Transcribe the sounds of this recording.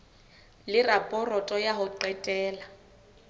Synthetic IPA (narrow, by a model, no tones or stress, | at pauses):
lɪrapʼɔrɔtʼɔjaɦʊǃɛtʼɛːla